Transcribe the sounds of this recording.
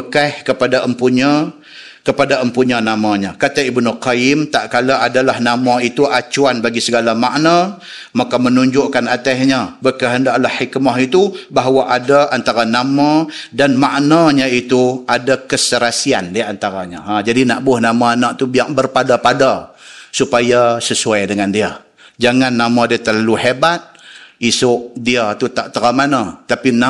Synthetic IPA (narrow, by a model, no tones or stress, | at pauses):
əkahkəpadaʔəmpuɲa | kəpadaəmpuɲanamaɲakat̪aibnuqajɪmt̪aʔkalaʔadalahnamait̪uʔat͡ʃuanbaɡisəɡalamaʔna | makamənuɲd͡ʒʊʔkanat̪aɦɲabəkaɦəndaʔlahːikmaɦit̪ubaɦwaʔadaʔant̪aɾanamadanmaʔnaɲait̪uadakəsəɾasia̰ndiant̪aɾaɲaad͡ʒadinaʔbʊhnamaanaʔt̪ubiaŋbərpadapadasupajasəsuajdəŋandia | d͡ʒaŋanːamadiat̪ərlaluhebat̪̚isʊʔdiat̪ut̪aʔt̪əɾamanat̪apina